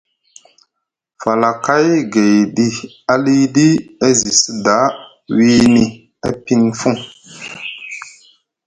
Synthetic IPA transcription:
fa˨la˨ka˦jɡe˨jdi˦ | a˦li˦di˦e˦zi˨si˦da˨˦ | wi˦ni˨ | ḛ˦pi˦nfu˦ŋ

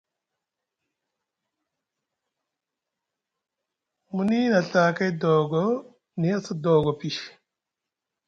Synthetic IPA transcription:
mu˨ni˦na˨ɬa˨ka˦jdɔː˨ɡɔ˦ | ni˨a˦sa˦dɔ˨ɡɔ˨pi˨ʃ

